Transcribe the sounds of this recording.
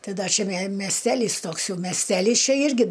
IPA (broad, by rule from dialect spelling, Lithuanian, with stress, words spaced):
ˈtɐɪ ˈdɐ t͡ʃʲɛ mʲɛ mʲɛsʲˈtʲæːlʲiːs ˈtoːks ˈjɛʊ mʲɛsʲˈtʲæːlʲiːs ˈt͡ʃʲɛ ˈɪrʲɡʲɪ